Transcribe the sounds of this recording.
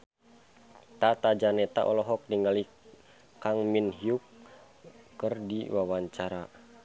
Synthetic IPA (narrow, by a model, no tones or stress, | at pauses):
t̪at̪ad͡ʒanɛt̪aʔɔlɔɦɔk̚diŋɡali | kaŋminɦiukː | ərdḭwawaɲt͡ʃaɾa